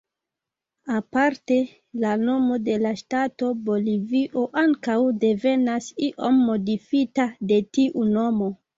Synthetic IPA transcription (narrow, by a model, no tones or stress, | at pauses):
apaɾte̞ | lano̞mo̞de̞laʃtato̞bo̞liviʔo̞ʔaŋkawde̞ve̞nasiʔo̞mːo̞difitade̞tiʔuno̞mo̞